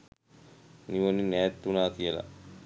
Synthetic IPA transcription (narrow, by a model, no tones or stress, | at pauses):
niʋoninɛːt̪ːunaːkijəla̰